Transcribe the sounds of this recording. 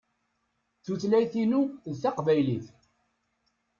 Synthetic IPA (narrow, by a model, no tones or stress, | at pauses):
θuθlæjθinuðθɑqvæjliθ